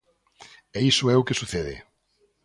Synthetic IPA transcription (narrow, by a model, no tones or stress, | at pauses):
ɛisʊɛʊkesuθeðɪ̰